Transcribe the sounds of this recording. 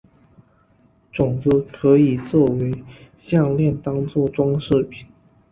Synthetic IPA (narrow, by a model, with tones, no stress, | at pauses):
ʈ͡ʂʊ˨˩ŋt͡sɹ̩˧˥˦kʰɤ˧˥i˨˩t͡swɔ˥˩we˧˥ɪ | ɕjɑ˥˧ŋljɛ˥˨nt̪ɑ˥ŋt͡swɔ˥˩ʈ͡ʂwɑ˥ŋʂ̩˥˩pʰi˨˩˦n